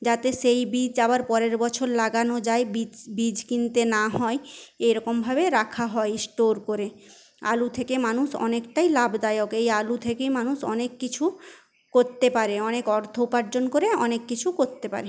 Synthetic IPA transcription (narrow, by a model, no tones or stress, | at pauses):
d͡ʑat̪eʃejbid͡ʑaβaɾpɔɾeɾbɔt͡ɕʰoɾlaɡanod͡ʑaebibid͡ʑkint̪enaɦɔeejɾɔkombʱabeɾakʰaɦɔesʈoɾkoɾe | a̰lut̪ʰekemanuʃɔ̰nekʈajlabd̪ajokejalut̪ʰekejmanuʃɔ̰nekːit͡ɕʰu | koɾt̪epaɾeɔnekɔɾd̪ʱopaɾd͡ʑonkoɾeɔnekːit͡ɕʰukoɾt̪epa̰ɾe